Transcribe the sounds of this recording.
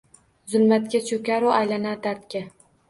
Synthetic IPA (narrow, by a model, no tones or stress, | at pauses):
zʊlˠmat̪kʲat͡ʃʰɵkʲaɾʊajlanad̪aɾt̪kʲa